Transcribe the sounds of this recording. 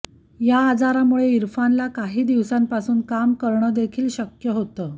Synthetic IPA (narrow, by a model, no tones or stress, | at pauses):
jaːd͡zaɾamuɭeiɾfanlakaɦiːd̪iʋsampasuːnkamkəɾɳəd̪ekʰiːlɕəkjəɦot̪əː